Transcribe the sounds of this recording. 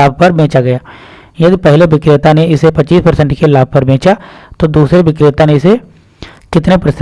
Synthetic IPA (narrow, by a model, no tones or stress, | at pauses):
aːb̚ʱpɐɾbʱẽːt͡ʃaɡɐjaː | jɐd̪ipɛɦleʋɪkɾɪt̪aneɪsepɐt͡ʃːiːspɐɾsɛ̃ɳʈkelaːb̚ʱpɐɾbʱẽːt͡ʃat̪od̪uːsɾeʋɪkɾɪt̪aneɪse | kɪt̪nepɾɐs